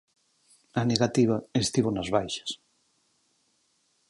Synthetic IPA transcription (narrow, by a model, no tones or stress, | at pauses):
aneɣat̪iβ̞aest̪iβonazβajʃḁs